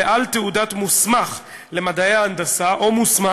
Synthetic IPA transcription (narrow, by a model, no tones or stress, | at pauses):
eʔalt̪eudatmusmaχ | le̞mad̪aeaːnd̪asaʔomusma